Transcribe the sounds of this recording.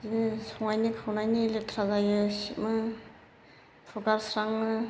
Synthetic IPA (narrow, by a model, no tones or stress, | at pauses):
zinɯsʰɔŋajnikʰawnajnilet̪ʰɾazajɯsit̚mɯ | pʰɔɡaɾsɾaŋnɯ